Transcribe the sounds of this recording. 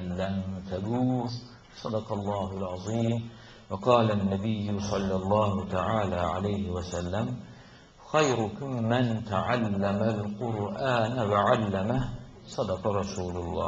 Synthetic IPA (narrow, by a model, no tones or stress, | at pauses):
lːamt̪abuː | sˤɑd̪ɑqɑlˤːɑːɦʊlʕɑðˤiːm | wɑqɑːlanːabɪjːʊsˤɑlːɑlˤːɑːhʊt̪aʕaːlaːʕa̰lajhɪwasalːam | xajɾʊkʊmɪnt̪aʕalːamalqʊɾʔaːnwaʕalːamah | sˤɑd̪ɑqɑɾˤɑsuːlʊlˤːɑ̰ː